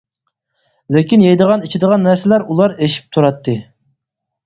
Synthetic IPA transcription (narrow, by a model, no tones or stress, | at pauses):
lɪkʲinjejd̪əʁɑnit͡ʃʰid̪əʁɑnːæɾsɪlæɾulˠɑɾeʃi̥p̚t̪ʰuɾɑt̪ʰːɨ